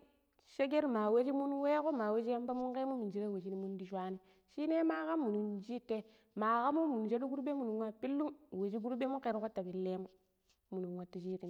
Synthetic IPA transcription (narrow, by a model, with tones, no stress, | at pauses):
ʃe˦ɡe˦ɾma˨we˦d͡ʒi˦mu˦nwe˦ko˦ma˨we˦d͡ʒi˦ja˦mba˦mu˦nke˦mu˦mu˨nd͡ʒi˦ɾe˦we˨d͡ʒi˦ni˦mu˦ndi˦ʃwa˦ni˦ | ʃi˦ne˦ma˦ka˦mːu˨nu˨nd͡ʒi˦te˦ | ma˨ka˦mu˦mu˨nd͡ʒe˦du˦ɡu˦ɾbe˦mu˨nu˨nwa˦pi˦lːu˦mwe˨d͡ʒi˦ɡu˦ɾbe˦mu˦nke˨ɾko˦ta˨bi˨lːe˦mu˦ | mu˨nu˨nwa˨ti˨ʃi˦ɾi˨